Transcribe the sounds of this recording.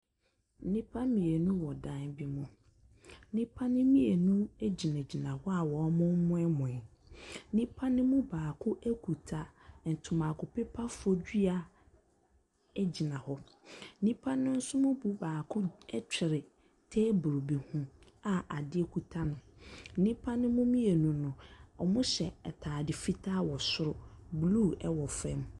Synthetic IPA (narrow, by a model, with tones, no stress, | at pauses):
n̩˦nĩ˦pʰa˦mĩ˨e˨nũ˦wɔ˨dã˦˨nbɪ˦mʊ̃˨˦ | nĩ˦pʰa˦nɪ̃˦mĩ˦e˨nũ˦e˦d͡ʑi˨nã˨d͡ʑi˨nã˨hɔ˦a˨wɔ˨˦mʊ̃˦mːʊ̃˦ɛ˦mʊ̃˨ɛ˨˦nĩ˦pʰa˦nɪ̃˦mũ˦baː˨kʰʊ˦ʔe˦kʰu˨tʰa˨n̩˨tʰʊ˨mã˨kʊ˨pɪ˦pʰa˦fʊ˨˦ɔ˦d͡ʑi˦a˨ | ɛ˦d͡ʑi˨nã˨hɔ˦ | nĩ˦pʰa˦nʊ̃˦n̩˦sʊ˦mʊ̃˦bu˨baː˨kʰʊ˦ɛ˦t͡ɕʰᶣɪ˨ɾɪ˨ | tʰɛ˦bɾo˨bi˨hũ˨ | a˨ʔa˨dɪ˦ɛ˨kʰu˨tʰa˦nʊ̃˨˦nĩ˦pʰa˦nʊ̃˦mʊ̃˦mĩ˦je˨nũ˨nʊ̃˨ɔ˨mʊ̃˦ɕɛ˨ɛ˨tʰaː˨dɪ˨fi˦tʰa˦wɔ˨sʊ˦ɾʊ˨blu˦˨ɛ˦wɔ˨fɛ̃˦m